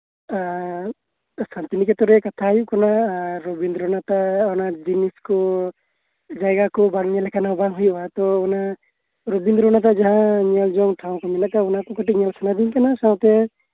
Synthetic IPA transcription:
a | sant̪inikɛt̪ɔɾɛkat̪ʰajuʔkɔnaɾɔbind̪ɾɔnat̪aɔnad͡ʒiniskɔ | d͡ʒajɡakɔbaŋɲɛlɛkʰanabaŋɦujɔbat̪ɔɔna | ɾobind̪ɾɔnat̪̬ad͡ʒaɦãɲɛld͡ʒɔŋʈʰaw̃kɔmɛnaʔkaɔnakɔkɔʈik̚ɲɛlkʰanad̪iɲkanasaw̃t̪ɛ

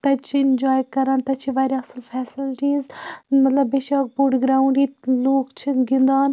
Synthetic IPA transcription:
t̪ɐt͡ʃʰiɪnd͡ʒaːjkɐɾaːnt̪ɐt͡ʃʰiʋaːɾʲjaɐsəlfʰɛːsɪlʈiːzmɐt̪lɐbːeʃaːk̚boːʈɡɾaːũɳɖiːloːkt͡ʃʰiɡɪ̃nd̪aːn

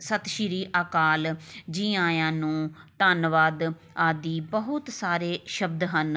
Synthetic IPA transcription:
sət̪ʃiɾiːʔaːkaːld͡ʒĩːãːjãːnũːt̪aːnʋaːd̪ | aːd̪iːbəɦʊt̪saːɾeːʃəbd̪ɦən

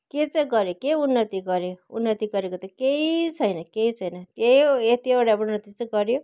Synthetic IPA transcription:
ket͡sʌ̃ɡʌɾjokeunːʌt̪iɡʌɾeunːʌt̪iɡʌɾekot̪ʌkeit͡sʰʌjnʌkeit͡sʰʌjnʌkeet̪ioɽaunːʌt̪it͡sʌ̃jɡʌɾjo

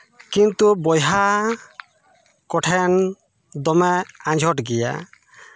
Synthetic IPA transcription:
kint̪ubɔjɦa | kɔʈʰɛn | d̪ɔmɛãɲd͡ʒʱɔʈɡɛja̰

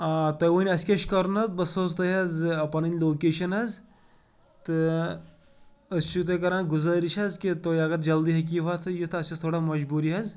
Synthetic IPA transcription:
at̪ojʋɐnʲɐskʲɐʃkɐɾunɐzbɐsoːzt̪ɐɦɐzɐpɐnɐnʲloːkeːʃɐnɐz | t̪ɨ | ɐst͡ʃʰut̪ɐkɐɾaːnɡuzɐɾiʃɐzkit̪oːjɐɡɐɾd͡ʒɐld̪iɦɐk̬ʲiʋaːt̪ʰɨjit̪ʰɨɐst͡ʃʰɐst̪ʰoːɽamɐd͡ʒbuːɾiɦɐz

